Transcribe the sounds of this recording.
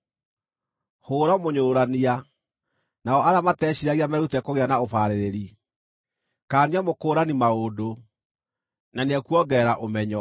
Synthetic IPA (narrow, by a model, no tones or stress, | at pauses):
hoːɾamoɲoːɾania | naɔaɾamatɛːɕiɾaɣiamɛɾutɛkoɣeanaofaɾeɾeɾi | kaːniamokoːɾanimaodo | naneɛkuwɔɡɛːɾaʔomɛɲɔ